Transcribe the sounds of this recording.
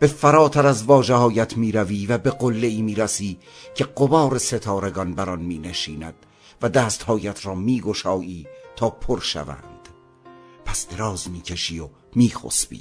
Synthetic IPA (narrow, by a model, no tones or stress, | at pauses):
b̥e̞fæɾɒːt̪ʰæɾæzvɒːʒehɒːjæt̪ʰmiːɾæviːvæbe̞ɡolːeiːmiːɾæsiː | cʰe̞ɡobɒːɾese̞t̪ʰɒːɾeɡɒnbæɾɒnmiːneʃiːnæd̪̥̚ | væd̪æːst̪hɒːjæt̪ʰɾɒːmiːɡo̞ʃɒːʔiːt̪ʰɒːpʰoɾʃæ̰væ̰nd̪̥ | pʰæsd̪̥eɾɒːzmiːcʰeʃiːo | miːxo̰sbḭː